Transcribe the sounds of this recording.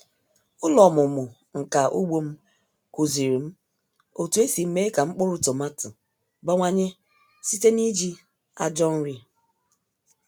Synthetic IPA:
ʊ˦lɔ˨mʊ˨mʊ˨ | ŋ̩˨ka˨ʔu˦ɡ͡bo˦m̩˦ | ku˨zi˨ɾi˨m̩˦ | o˨tu˨e˦si˨m̩˦me˦ka˨ŋ͡m̩˦k͡pʊ˦ɾʊ˦tɔ˨ma˦tʊ˨ | ba˦ŋʷa˦ɲe˦ | si˦te˦ni˦d͡ʒi˦ | a˦d͡ʒɔ˦n̩˦ɾi˦

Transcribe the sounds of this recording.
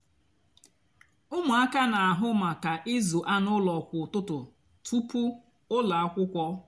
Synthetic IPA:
ʊ˦mʊ˨a˦ka˦na˨a˨ɦʊ˦ma˨ka˨ʔɪ˦zu˨ʔa˦nʊ˦lɔ˨kʷʊ˨tʊ˦tʊ˨ | tʰu˦pu˦ | ʊ˦la˨a˦kʷʊ˦kʷɔ˦

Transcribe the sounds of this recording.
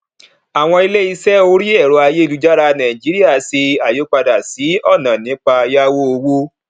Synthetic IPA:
a˨w̃ɔ̃˧i˧le˦i˧sɛ˦o˧˦ɾi˦ɛ˦˨ɾo˧a˧je˦˨lu˨˦d͡ʒa˦ɾa˧nã˨ĩ˨d͡ʒi˨˦ɾi˦a˦˨si˧a˨jo˨˦k͡pa˧da˨si˨˦ɔ˦˨nã˨nĩ˨˦k͡pa˧ja˦wo˦o˧wo˦

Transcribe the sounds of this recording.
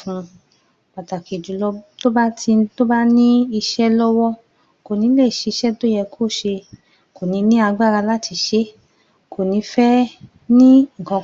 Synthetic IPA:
fũ˧ | k͡pa˨ta˨ki˨d͡ʒu˨lɔ˧˦to˦ba˦ti˧to˦ba˦nĩ˦i˧ʃɛ˦lɔ˦wɔ˦ | ko˨nĩ˨˧˦le˦˨ʃe˨˧ʃɛ˦do˦jɛ˧kʰo˦˨ʃe˧ | ko˨nĩ˨˧˦nĩ˦a˧ɡ͡ba˦˨ɾa˧la˦tʰi˧ʃe˦ | kʰo˨nĩ˨˧˦fɛ˦ | nĩ˦ŋ̩˨kɔ̃˨˧

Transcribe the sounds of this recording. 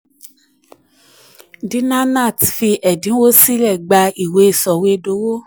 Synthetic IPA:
di˨˦nã˦nã˦˨tfi˧ʔɛ˨dĩ˨˦wo˦si˦lɛ˦˨ɡ͡ba˧i˨we˨˧˦sɔ˨we˧do˨˦wo˦

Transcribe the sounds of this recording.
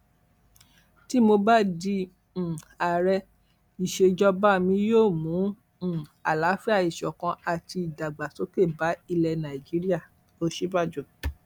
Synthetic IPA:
ti˦mo˧ba˦dĩ˧˨ | a˨ɾɛ˧ | i˨ʃe˧d͡ʒɔ˧ba˦mĩ˧joː˦˨mũ˨˦˨ | a˨la˨˦fɛ˦a˦˨i˨ʃɔ˨kã˧a˨ti˧i˨da˨ɡ͡ba˨so˨˦ke˦˨ba˨˦i˧lɛ˧nã˨i˨d͡ʒi˨˦ɾi˦a˦˨ | o˧ʃi˦ba˦˨d͡ʒu˨

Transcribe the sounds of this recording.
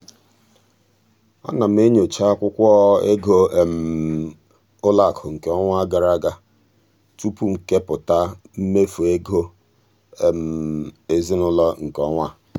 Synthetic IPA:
ɔ̰˦na˨m̩˦e˦ɲo˨t͡ʃa˦a˦kʷʊ˦kʷɔ˦e˦ɡo˦e˨m̩˨ | ʊ˦la˦˨kʰʊ˨ŋ̩˨ke˨ɔ˦ŋʷa˦a˦ɡa˨ɾa˦ɡa˦ | tu˦pu˦ŋ̩˨ke˦pʊ˨ta˦m̩˦me˦fu˨e˦ɡo˦ | e˨m̩˨e˨zi˦nʊ˦lɔ˦ŋ̩˨kɔ˦ŋʷa˦

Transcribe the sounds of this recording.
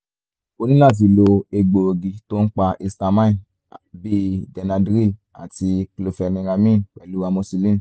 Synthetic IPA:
o˧nĩ˦la˦˨t̬i˨˧lo˧e˧ɡ͡bo˧o˧ɡi˧to˦n̩˦k͡pa˧ʔe˧sta˧mã˦ĩ˦˨ | bi˦dɛ˧nã˧dɾi˦ | a̰˨ti˧klo˧fɛ˧nĩ˧ɾa˧mĩ˦k͡pɛ˨lu˦wa˧mo˧si˧lĩ˦n˨

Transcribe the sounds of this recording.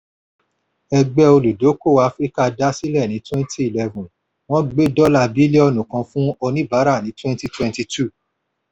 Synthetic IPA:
ɛ˧ɡ͡bɛ˧o˧lu˨do˨˦ko˦˨a˦fɾi˦ka˦da˦si˦lɛ˦˨nĩ˨˦twɛ̃˦nti˦i˨lɛ˦vɔ̃˨ | w̃ɔ̃˦ɡ͡be˦dɔ˦la˧bi˨˦le˦ɔ˧nũ˨kã˧fũ˦ɔ˧nĩ˦ba˨˦ɾa˦˨nĩ˨˦twɛ̃˦nti˦twɛ̃˦nti˧tu˦˨

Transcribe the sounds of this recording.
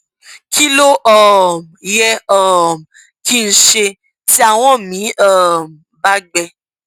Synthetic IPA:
ki˦lo˦ʔɔ˨m˨jɛ˦ɔ˦˨m˨ | ki˦˧n̩˦ʃe˧ | ti˦a˦˧˨w̃ɔ̃˦mĩ˨˦ɔ˦˨m˨ba˦ɡ͡bɛ˧

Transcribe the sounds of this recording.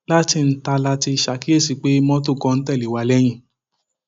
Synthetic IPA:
la˦ti˧n̩˦ta˧la˧ti˧ʃa˨ki˦e˦˨si˨k͡pe˨˦mɔ̃˦t̬u˦˨kɔ̃˧n̩˦tɛ˦˨li˨wa˨˦lɛ˦j̃ĩ˦

